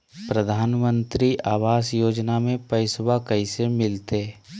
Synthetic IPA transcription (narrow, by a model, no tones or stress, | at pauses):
pɾəd̪ʱaːnmə̃nt̪ɾiʔaːʋaːsjoːd͡ʒnamẽpəɪswakəisemɪlt̪e